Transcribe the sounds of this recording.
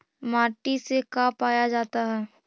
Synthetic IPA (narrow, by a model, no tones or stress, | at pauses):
maːʈisekaːpaːjad͡ʒaːt̪aɦɛː